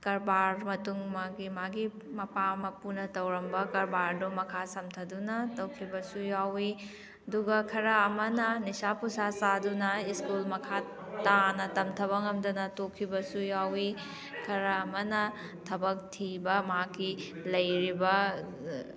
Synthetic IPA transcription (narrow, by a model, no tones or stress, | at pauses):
kɐɾbaɾmɐtuŋmaɡimaɡi | mɐpamɐpunɐtɐwɾɐmbɐkɐɾbaɾdomɐkʰasɐmtʰɐdunɐtɐwkʰibɐsujawi | ɐduɡɐkʰɐɾɐːmɐnɐnisapusasadunɐiskulmɐkʰa | tanɐtɐmtʰɐβɐŋɐmdɐnɐtokʰːibɐsujawi | kʰɐɾɐːmɐnɐ | tʰɐbɐk̚tʰibɐmɐɦakːilɐjɾibɐ